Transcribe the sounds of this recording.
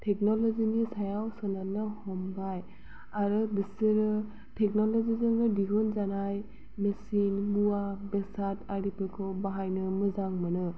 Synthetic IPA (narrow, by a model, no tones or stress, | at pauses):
tʰɛk̚nɔlɔzinisajawsɔnanɯhɔmbaj | aɾɯbisiɾɯ | tʰɛk̚nɔlɔzizɯŋɯdiɡunzanaj | mesinmuabɛsataɾipɯkʰɯbaɦajnɯmɯzaŋmɯnɯ